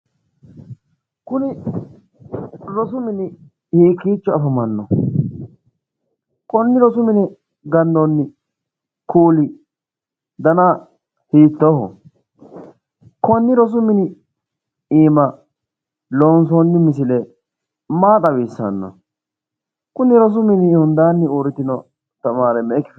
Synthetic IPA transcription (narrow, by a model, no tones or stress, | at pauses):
kʊnɪ | ɾɔs̬ʊmɪnɪ | hiːkːiːt͡ʃːɔɐfɐmɐnːɔ | kʼɔnːɪɾɔsʊmɪnɪ | ɡɐnd̪ɔnːɪ | kuːlɪ | d̪ɐna | hiːt̪ːɔhɔ̰ | kɔnːɪɾɔs̬ʊmɪnɪ | iːmɐ | lɔnsɔnːɪmɪs̬ɪlɛ | maːt̪ʼɐbiːsːɐ̰nːɔ̰ | kʊnɪɾɔs̬ʊmɪnɪhʊnd̪aːnːɪoɾɪt̪ːɪnɔ | t̪ɐmaːɾɛmɛkːɪf